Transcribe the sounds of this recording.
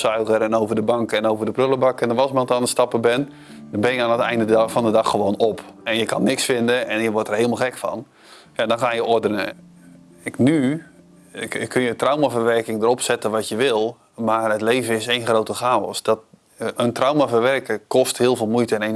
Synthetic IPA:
sœɥɣəɾɛnowvərdəbɑŋkɛnowvərdəprøləbakɛndɔnʋɔsmantanəstɑpəbɛn | dɔnbɪnjəaːnətɛ̰jndəfɔndədɑxːəʋoːnɔpɛnjəkɑnːɪksfɪndəɛnjəʋɔtərɦɪəlˠmalˠxɛkfɑ̰n | jadɔnxaːjəʔɔrdənə̰ | ɪkny | kʰnjətrawmavəʋɛrkɪŋdəɾɔpsɛtəʋɔtjəʋɪlˠ | marətleːvəɪsejnχrowtəχaːɔ̰sdɔt | əntrawmavəʋɛrkəkɔsthɪəlˠvɪːlˠmujtəɛne

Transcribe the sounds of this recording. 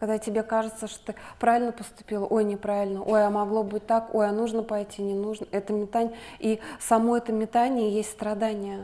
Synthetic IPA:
kɐɡd̪atʲɪbʲe̞kaʐɨt̪səʂt̪ot̪ɨpɾavɪlʲnəpəst̪ʊ̥pʲilˠəʔojnʲɪpɾavʲɪlʲnəʔojamɐɡlˠo̞bɨt̚ʲt̪akojanuʐnəpɐjtʲinʲɪnuʐnəɛt̪əmʲɪt̪anʲ | isɐmo̞ɛt̪əmʲɪt̪anʲɪjəjesʲtʲst̪ɾɐd̪anʲɪjə

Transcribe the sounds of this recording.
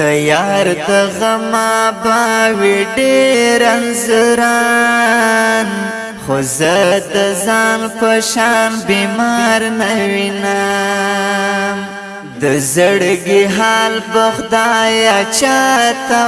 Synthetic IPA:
əjɑɾd̪əɣamabawiɖeɾanzəɾɑ | n | xozəd̪əzɑnpəʃɑnbemɑɾnawina | m | d̪əzəɽəɡiɦɑlbaxd̪ɑjat͡ʃɑt̪a

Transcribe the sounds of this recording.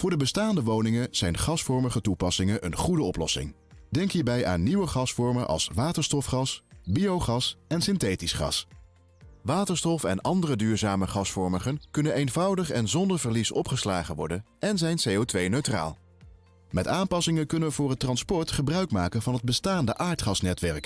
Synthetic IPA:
v̥ʊːɹdəbəstaːndəʋownɪŋəz̥ɛjnχɑsfɔɹməχətupɑsɪŋənʔə̰nχudəɔplɔ̰sɪ̰ŋ | dɛŋkɦiːɹbɛjʔa̰ːnːiʋəχɑsfɔɹmənʔɑ̰lˠsʋaːtəɹstɔfχɑsbijowχɑsɛnsɪntejtisχɑ̰s | ʋaːtəɹstɔfɛ̰nɑndərədyːɹzaːməχɑsfɔɹməχənkɵnənejnvɑwdəχɛnzɔndəɹvəɹlisɔpχəslaːχəʋɔ̰ɹdənɛnzɛjnsejotʋejnøɥtra̰ːlˠ | mɛtaːmpɑsɪŋəkɵnəʋəvʊːrɦətːrɑnspɔɹtχəbrœɥkmaːkəvɑnɦəd̚bəstaːndəʔaːɹtχɑsnɛtʋɛɹk

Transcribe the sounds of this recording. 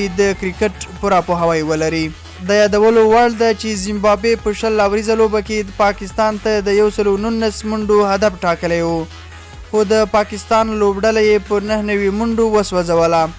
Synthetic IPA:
d̪əkɾɪkəʈpuɾɑpoɦawajwəlaɾi | d̪ɑjɑd̪awəlowaɭd̪at͡ʃezɪmbɑbepəʃəlːawɾizalobakepɑkɪst̪ɑnt̪ad̪əjawsəlonunːasmuɳɖoɦad̪afʈɑkəlajwu | xod̪əpɑkɪst̪ɑnlobɖalajepənəhnawimuɳɖowəswazawəla

